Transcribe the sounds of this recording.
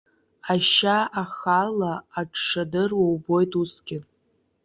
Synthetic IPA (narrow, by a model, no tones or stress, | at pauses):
aʃaaχalaːʈ͡ʂʰʂadɨrwawbojtʼusɡʲɪ